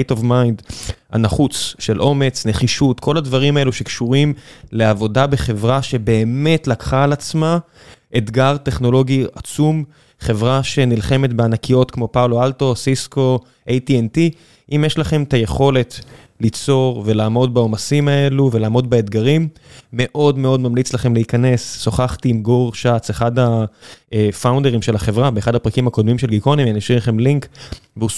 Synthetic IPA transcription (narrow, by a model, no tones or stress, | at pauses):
tovmajnda̰naχut͡sʃe̞lʔo̞me̞t͡sne̞χiʃutkʰo̞ladvaʁimae̞luʃe̞kʃuʁimle̞avo̞dabe̞χe̞vʁaʃe̞be̞ːme̞tlakχaːlat͡sma | ʔedɡaʁte̞χno̞lo̞ɡiat͡sum | χe̞vʁaʃe̞nilχe̞me̞tbeanakijo̞tkmo̞pawloalto̞sisko̞ | ʔejtienti | ʔimjeʃlaχe̞mtaje̞χo̞le̞t | lit͡so̞ʁve̞laːmo̞dbaomasimae̞luvelaːmo̞dbeed̪ɡaʁimː | e̞ʔo̞dme̞o̞dmamlit͡slaχe̞mleikane̞sːo̞χaχtiːmɡoʁʃat͡seχadaefawnde̞ʁimʃe̞laχe̞vʁabeːχadhapʁakimhako̞d̪mimʃe̞lɡikonimaniʃiχemliŋkbeu